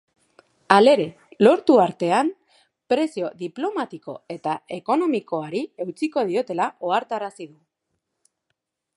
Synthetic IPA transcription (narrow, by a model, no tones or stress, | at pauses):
ale̞ɾe̞ | lo̞ɾt̪uaɾt̪e̞am | pɾe̞sio̞ðiplo̞mat̪iko̞̰e̞t̪ae̞ko̞no̞miko̞aɾie̞wt͡siko̞ð̞io̞t̪e̞lao̞aɾt̪aɾasiðu